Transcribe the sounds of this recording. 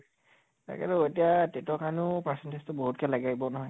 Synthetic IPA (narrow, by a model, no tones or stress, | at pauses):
ta̰kɛ̰tʊetijatetɔkaɹnʊpasɛntestʊboɦut̚kɛlaɡaɡibɔnɔɦɔj